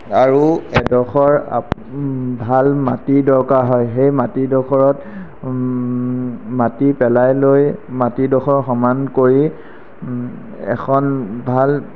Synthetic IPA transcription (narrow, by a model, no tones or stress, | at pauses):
aɹuɛdɔxɔɹa̰ | bʱalmatidɔɹkaɹɦɔjxejmatidɔkʰɔɹɔt | matipɛlajlojmatidɔxʰɔɹxɔmankoɹi | ɛ̰kʰɔnbʱal